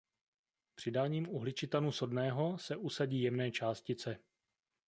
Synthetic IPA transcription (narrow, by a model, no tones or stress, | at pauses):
pr̝̥ɪdaːɲiːmuɦlɪt͡ʃɪt̪anuso̞dnɛːɦo̞sɛʔusaɟiːjɛmnɛːt͡ʃaːscɪt͡sɛ